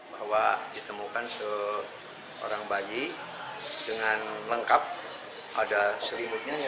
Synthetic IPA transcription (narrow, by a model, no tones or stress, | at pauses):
bahwadit̪əmukansə | o̰ɾaŋbaji | dəŋanləŋkap̚ | adasəɾimʊt̪̚ɲa